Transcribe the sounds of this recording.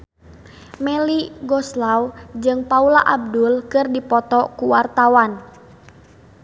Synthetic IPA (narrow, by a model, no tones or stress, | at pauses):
mɛliɡɔslawd͡ʒɨŋpaulaʔab̚dulkɨrdipɔt̪ɔkuwart̪awan